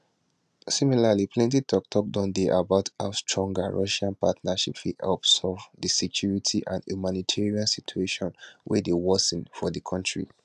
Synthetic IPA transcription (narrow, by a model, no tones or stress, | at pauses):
similalipʰlɛ̃ntitʰɔk̚tʰɔk̚dɔ̃ndeʔabaʊtastɹɔ̃ŋɡaɹʔɔʃãnpa̰tnaʃḭpfihɛ̰lpsɔvdəsɛkʰjuɹitʰiʔã̰nhjumanitʰɛɹiãnsitʰueʃɔ̃nwʔɛ̰dewɔsĩnfɔdəkʰɔ̃ntɹḭ